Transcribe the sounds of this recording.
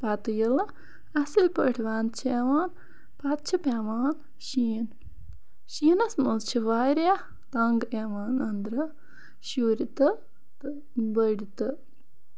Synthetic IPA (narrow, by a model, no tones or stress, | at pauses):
pat̪ɨjilɐ | ɐsilpə̰ʈʰʋaːnt͡ʃʰeʋaːn | pɐt̪̚t͡ʃʰipeʋaːn | ʃiːn | ʃiːnɐsmust͡ʃʰiʋaːɾja | t̪ɐŋɡeʋaːnɐnd̪ɾɐ | ʃuːɾit̪ɨ | bəɽit̪ɨ